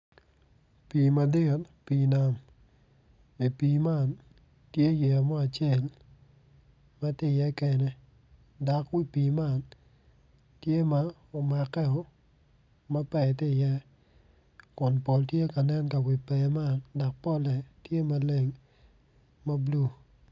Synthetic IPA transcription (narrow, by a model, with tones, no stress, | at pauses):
pi˨ma˨dɪ˦˨tpiː˨na˨m | i˨pi˨ma˦˨n | tje˦je˨a˨mɔ˦a˨t͡ʃje˦˨l | ma˦tɪ˦˨jɛ˦kɛ˨nɛ˦ | da˨kwi˦piː˨ma˦˨n | tje˦ma˦ | o˨ma˨kɛ˦ɔ˨ | ma˦pɛ˨tɪ˦˨jɛ˦ | kʊ˨npɔ˨ltje˦ka˨nɛ˦nka˨wi˨pɛ˨ma˦nda˨k̚pɔ˦lɛ˨tje˦ma˨le˦ŋ | ma˦blu˦